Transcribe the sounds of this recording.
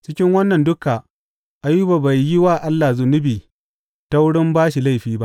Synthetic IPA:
t͡ʃɪ˦kʲɪ˦ŋwɐ˦nːɐ˨ndʊ˦ka˨ | ʔa˨juː˦ba˨ba˨jːɪ˦waː˦ʔa˦lːa˨zʊ˨nʊ˦biː˨ | ta˦wʊ˦ɽɪ˦mbaː˦ʃi˨la˦jɸiː˦ba̰˦ʔ

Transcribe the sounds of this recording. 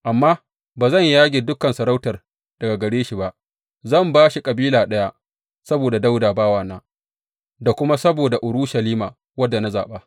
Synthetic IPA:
ʔa˨mːaː˦ | baː˨zɐ˦˨ɲjaː˦ɡʲeː˨dʊ˦kɐ˨nsɐ˨ɾa˦wtɐ˨r | d̥ɐ˨ɡa˨ɡɐ˨ɽeː˦ʃi˨ba˦ʔ | zɐ˦˨mbaː˦ʃi˨kʼɐ˨biː˦laː˨ɗɐ˦ja˦ | sɐ˦boː˨da˨da˦wdaː˨baː˦waː˨naː˦ | da˨kʷʊ˦ma˦sɐ˦boː˨da˨ʔʊ˨ɽʊ˦ʃɐ˨liː˦maː˨ | wɐ˦dːa˨na˦za̰ː˨ɓaː˦

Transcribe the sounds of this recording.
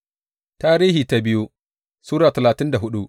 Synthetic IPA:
taː˦ɾiː˦hiː˨ta˦bɪ˦ju˦ | suː˦ɾaː˨tɐ˨laː˨tɪ˦nda˨ɦʊ˦ɗu˦ʔ

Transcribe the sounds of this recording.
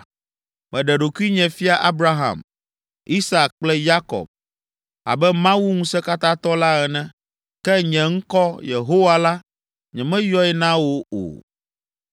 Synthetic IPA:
mɛ̃˨ɖɛ˨ɖo˨ku˦i˦ɲɛ̃˨fi˦a˨ʔa˦bɾa˦ɦã̰˨m | i˦sa˨k̚k͡plɛ˦ja˦kɔ̰˨b̚ | a̰˨bɛ˦mã˦wu˦ŋũ˦sɛ˦ka˦t̪ã˦t̪ɔ˦la˦ɛ˨nɛ̃˦ | kɛ˦ɲɛ̃˨ŋ̩˦kɔ˦je˨ɦo˦wa˦la˦ | ɲɛ̃˨mɛ̃˦jɔ˦ɛ˦nã˦wo˦o̰˨

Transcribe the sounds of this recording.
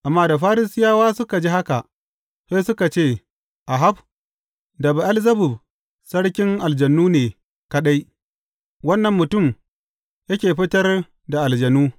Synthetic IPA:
ʔa˨mːaː˦da˨ɸaː˦ɾɪ˦sɪ˦jaː˦waː˦sʊ˦ka˨d͡ʒi˦ha˦ka˨ʔ | sa˦sʊ˦ka˨t͡ʃeː˦˨ | ʔa˨ɦa˦b | dɐ˨ba˨ʔa˦lzɐ˦bʊ˨b̚ | sɐ˦ɽkʲɪ˦ŋʔa˨ld͡ʒɐ˨nːuː˦neː˨ | kɐ˦ɗa˦j | wɐ˦nːɐ˨mːʊ˨tʊ˦˨m | jɐ˦kʲeː˨ɸɪ˦tɐ˦r | da˨ʔa˨ld͡ʒɐ˨nuː˦

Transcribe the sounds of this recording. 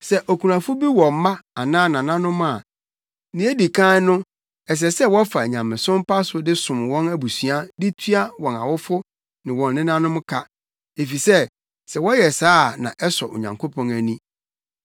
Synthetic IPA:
sɛ˦ʔɔ˨kʰu˨ɾã˨fʊ˦bi˦wɔ̃˨m˨˦mã˦a˨nãː˦nã˨nã˦nʊ̃˦mʊ̃˦a˨ | nɪ̃˨e˦di˨kʰã˦nʊ̃˦ | ɛ˨s̬ɛ˨sɛ˦wɔ˦fa˨ɲã˨mɪ̃˨sʊ̃˦m˦pʰa˦sʊ˦dɪ˦sʊ̃˨m˨wɔ̃˦næ˦bu˨sɥa˦dɪ˦tʰɥa˦wɔ̃˨na̰˨wʊ˦fʊ˦ | nɪ̃˨wɔ̃˨nːɪ̃˦nã˦nʊ̃˦mʊ̃˦kʰa˦ | e˨fi˨sɛ˦ | sɛ˨wɔ˦jɛ˨saː˦˨nã̰˨ʔɛ˦sɔ˨ʔo̰˨ɲã̰˨ŋkʰo˦pʰɔ̃˨næ˨nĩ˦

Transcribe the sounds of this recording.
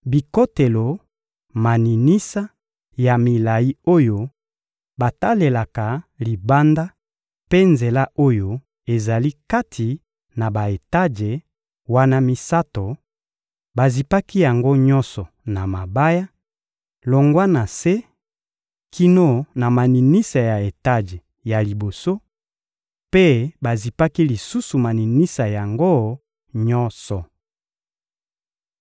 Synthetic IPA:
bi˨ko˦te˨lo˨ | ma˨ni˨ni˦sa˦ | ja˨mi˨la˨ji˦o˦jo˦ | ba˨ta˦le˨la˨ka˨li˨ba˦nda˦ | pe˦nze˨la˦o˦jo˦ | e˨za˨li˦ka˦tʰi˨ | na˨ba˨e˨ta˦d͡ʒe˨ | wa˦na˦mi˦sa˦to˨ | ba˨zi˨pa˦ki˦ja˨ŋɡo˦ɲɔ˦nsɔ˨ | na˨ma˨ba˦ja˦ | lo˨ŋɡwa˦na˨se˦ | kʰi˦no˦˨na˨ma˨ni˨ni˦sa˨ja˨e˨ta˦d͡ʒe˨ | ja˨li˨bo˨so˦ | pe˦ba˨zi˨pa˦ki˦li˨su˦su˨ma˨ni˨ni˦sa˨ja˨ŋɡo˦ | ɲɔ˦nsɔ˨

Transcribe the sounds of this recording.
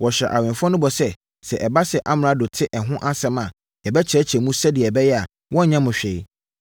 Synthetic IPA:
wɔ˨ɕᶣɛ̰˨ʔa˨wɪ̃˨fʊ˦ɔ̃˦nʊ̃˦bɔ˨sɛ˦ | sɛ˨ʔɛ˨ba˦sɛ˨ʔa˦m̃˨ã˦dʊ˨tʰɪ˦ʔɛ˨ɦʊ̃˦ʔa˦sɛ˦mã˨ | ɛ˨bɛ˦t͡ɕʰɾɛ˦t͡ɕʰɛ˨mũ˦sɛ˦dɪ˨ɛ˨bɛ˦jɛ˦a˨ | wɔ̃˦˨ɲã˦mʊ̃˨ɕᶣe˨˦

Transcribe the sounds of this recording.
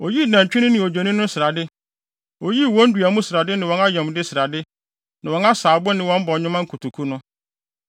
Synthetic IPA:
o˨ji˦˨nã˨ɲ˨t͡ɕᶣɪ˦ɪ̃˦nɪ̃˨o˨d͡ʑᶣo˨nĩ˦nʊ̃˦sɪ˨ɾa˨dɪ˦ | o˨ji˦˨wɔ̃˦n̩˦du˨a˨mũ˦sɪ˨ɾa˨dɪ˦nɪ̃˨wɔ̃˨na˦jɛ˨m˨dɪ˦sɪ˨ɾa˨dɪ˦ | nã˨wɔ̃˨na˦saː˨bʊ˦nɪ̃˨wɔ̃˦m̩˦bɔ˨ɲʊ̃˦mã˦ŋ̩˦kʰu˨tʰu˨kʰu˦nʊ̃˦

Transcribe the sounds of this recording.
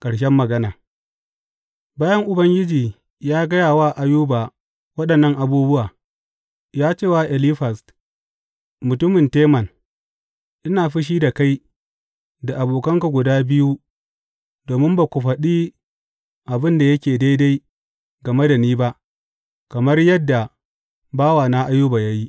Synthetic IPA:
kʼɐ˨ɽʃ̬ɛ˦mːɐ˨ɡɐ˦naː˨ | baː˦jɐ˦ŋʔʊ˨bɐ˦ŋɡʲɪ˦d͡ʒiː˨ | jaː˦ɡɐ˦jaː˨waː˦˨ʔa˨juː˦baː˨ | wɐ˦ɗɐ˨nːɐ˦ŋʔa˨buː˦bʊ˦ʔaː˨ | jaː˦t͡ʃeː˦˨wa˨ʔɛ˨liː˦ɸa˨st | mʊ˨tʊ˦mɪ˨nteː˦mɐ˨n | ʔɪ˦naː˨ɸɪ˦ʃ̬iː˦da˨ka˦j | da˨ʔa˨boː˨kɐ˦ŋka˨ɡʷʊ˨daː˦bɪ˦ju˦ | doː˨mɪ˦mba˨kʷʊ˨ɸɐ˨ɗiː˦ | ʔa˨bɪ˦nda˨jɐ˦kʲeː˨da˦jda˦j | ɡɐ˨me˦da˨niː˦ba˦ʔ | kɐ˨mɐ˦rjɐ˦dːa˨ | baː˦waː˨naː˦ʔa˦juː˦baː˨jaː˦ji˦ʔ

